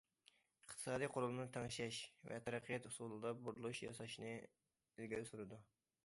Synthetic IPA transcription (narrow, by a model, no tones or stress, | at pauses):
əqt̪ʰɨ̥sɑːd̪ijqʰolˠʊlˠnɨt̪ʰæŋʃɛʃvɛ̰t̪ʰæɾæqʰːijɛt̪usulˠɨd̪ɑbuɾulˠuʃjɑsɑʃnɨ | ɪlɡʲɛɾɪsuɾɨd̪u